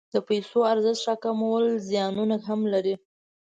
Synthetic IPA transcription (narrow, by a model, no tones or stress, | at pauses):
d̪̥əpajsoaɾzɪt̪ʃɑkamawəlzjɑnunakɦamlaɾi